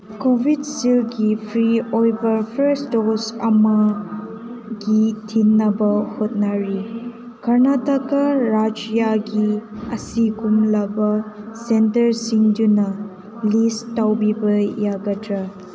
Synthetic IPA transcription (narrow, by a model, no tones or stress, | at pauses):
kobʱidsilɡipʰɾiojbɐɾpʰɐɾstosɐ̰mɐ | ɡitʰinːɐbɐhot̚naɾi | kɐɾnatakaɾad͡ʒjaɡiɐsikumlɐbɐsentɐɾsiŋdunɐ | listːawbibɐjaɡɐtɾɐ